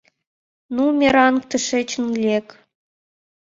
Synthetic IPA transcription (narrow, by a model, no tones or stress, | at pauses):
numʲeɾɑnk̚t̪ə̆ʃĕt͡ɕənlʲek